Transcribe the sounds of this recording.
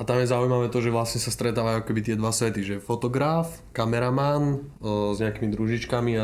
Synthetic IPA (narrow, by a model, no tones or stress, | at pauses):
at̪amjɛzaujmaʋɛːt̪ɔʒɛʋlasɲɛsast̪ɾɛt̪aːʋajuakɔ̥kɛbit̪̬ɪɛd̪ʋasʋɛt̪iʒɛfɔt̪ɔɡɾaf | kamɛɾamanzɲɛakimid̪ɾuʒit͡ʃkamia